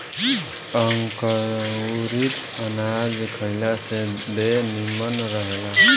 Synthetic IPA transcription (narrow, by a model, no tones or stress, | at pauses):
ʌŋkəɾɾit̪ | ʌnad͡ʒkʰʌjlased̪enimʌnɾʌɦela